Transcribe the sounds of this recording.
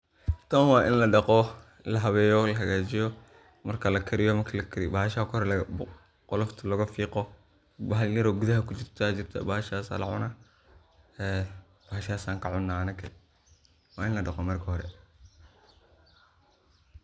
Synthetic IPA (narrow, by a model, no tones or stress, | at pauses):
t̪ʰɐnwɑːʔɪnlɐɖɑqɔ | lɐɦɐβɛːjɔlɐɦɐɣaːt͡ʃɪjɔ | mɐrkʰɐlɐkʰɐɾɪjɔmɐrkʰɐlɐkʰɐɾɪ̰baːhɐʃakʰhɾɛlɐ | qɔlɔft̪ʰɐlɐɣɐfiːqɔ | bɐɦɐljɐɾɔɡʊðɐɦɐkʰʊt͡ʃɪrt̪ʰat͡ʃɪrt̪ʰɐ̰baːhʃaːsa̰lɐ̰ʕʊna | ɛ | b̥aːɐʃaːsaːŋkʰɐʕʊnːaːɐnɐkʰɐ̰ | wɑːɪnlɐɖɑqɔmɐrkʰɐhɔɾɛ̰